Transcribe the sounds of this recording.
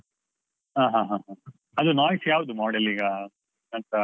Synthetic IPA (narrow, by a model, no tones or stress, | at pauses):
ɦãːɦãːɦãɦã | ɐd̪unaːjsjaːʋud̪umɔːɽeliːɡɐ | ɐnt̪ɐ